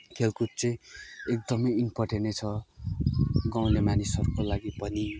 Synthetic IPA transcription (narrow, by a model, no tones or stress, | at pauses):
kʰelkut̪̚t͡sʌĩek̚d̪ʌmʌjinpʌrʈʰenet͡sʰʌ | ɡaw̃lemanisʌrkolaɡipʌni